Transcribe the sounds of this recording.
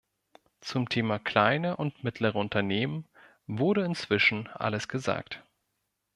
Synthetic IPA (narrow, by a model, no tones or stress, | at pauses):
t͡sʊmtʰeːmakl̥aɪnəʔʊntmɪtʰləʁ̞əʊntʰɐneːmən | vʊɐɾəɪnt͡sv̥ɪʃn̩ʔa̰ləsɡ̥əza̰ːkt